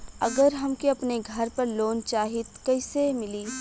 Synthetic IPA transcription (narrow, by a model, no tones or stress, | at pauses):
ɐɡəɾɦɐmkiɐpneɡʱɐɾpɐɾloːnt͡ʃaːɦɪt̪kɐɪsemɪliː